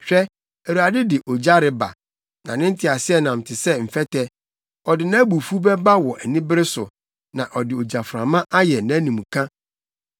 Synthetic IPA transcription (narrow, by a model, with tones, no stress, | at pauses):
ɕᶣɛ˦ | æ˨u˨a˨dɪ˦dɪ˨ʔo˨d͡ʑa˦ɾɪ˦ba̰˨ | nã̰˨nɪ̃˦n̩˦tʰɪ˨a˨sɪ˦ɛ˦nã˨m̩˨tʰɪ˨sɛ˦m̩˨fɛ˦tʰɛ˦ | ɔ˨dɪ˨nã˦bu˨fu˦bɛ˦ba˦wɔ˨ʔɛ˨nĩ˦bɪ˦ɾɪ˦sʊ˨ | nã˨ʔɔ˨dɪ˨o˨d͡ʑa˨fɾã˨mã˦ʔa˦jɛ˨nã˦nĩ˨mũ˨kʰã˦